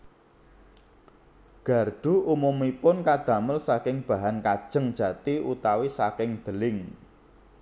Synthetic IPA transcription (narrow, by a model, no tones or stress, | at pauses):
ɡ̥a̤rɖ̪̥ṳumumipʊnkad̪̥ä̤məlsakɪŋb̥a̤ɦankad̥ʒ̥ə̤ŋd̥ʒ̥ä̤t̪iṵt̪awisakɪŋd̪̥ə̤lɪŋ